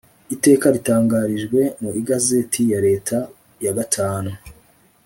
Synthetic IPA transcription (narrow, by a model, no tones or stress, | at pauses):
ite̞ːkaɾitaːŋɡaɾiʒɡwe̞muiɡaze̞tʰijaɾe̞ːtʰa | jaɡatʰaːnu